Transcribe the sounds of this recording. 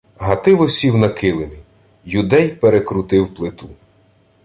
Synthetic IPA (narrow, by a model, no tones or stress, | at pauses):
ɦɐt̪ɪlˠɔsʲiwnɐkɪlˠemʲi | jʊd̪ɛjpeɾekɾʊt̪ɪwplˠɪt̪u